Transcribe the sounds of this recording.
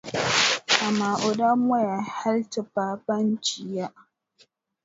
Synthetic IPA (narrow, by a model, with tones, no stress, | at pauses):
ʔa˨maː˨ʔʊ˨da˦m˦a˦ja˨ha˦lta˨ɸaː˦bɐ˦nt͡ʃɪ˨ja˦ʔ